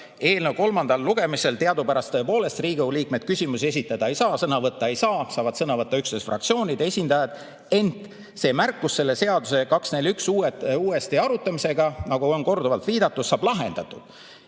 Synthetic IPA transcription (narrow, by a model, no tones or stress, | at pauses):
e̞ːlnəwko̞lmɑnd̪̥ɑlːuɡ̥e̞mise̞lt̪eɑd̪upæɾɑst̪ɤe̞po̞ːle̞st̪riːɡ̥euliːk̚med̥̪̚kysʲimusie̞s̬ʲit̪ːˑɑd̪̥ɑe̞jsɑːsɤnɑvɤt̪ˑːɑe̞jsɑːsɑːvɑd̪sɤnɑvɤt̪ːɑyksnesfrɑ̰k̚tsio̞ːnʲid̪̥e̞sʲind̪̥ɑjɑd̪̥ | e̞nt̪ˑ | se̞ːmærkːˑusse̞lːe̞se̞ɑd̪use̞kɑksne̞lʲyksuːeuːe̞st̪iɑɾut̪ːˑɑmise̞ɡɑnɑɡ̥uo̞nko̞rd̪uvɑlt̪viːd̪̥ɑt̪ːud̪̥sɑːb̥lɑɦe̞̰nd̪̥ɑt̪ːˑud̪̥